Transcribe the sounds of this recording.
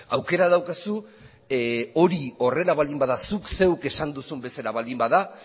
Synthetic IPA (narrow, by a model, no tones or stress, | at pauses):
awke̞ɾað̞awkasu | o̞ɾio̞re̞laβald̪imbaðasukse̞wke̞sand̪usumbe̞saɾaβald̪imbaða